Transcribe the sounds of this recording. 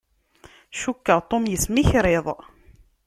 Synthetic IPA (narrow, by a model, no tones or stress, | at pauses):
ʃukːəʁt̪ˤomjəsmiçɾeðˤ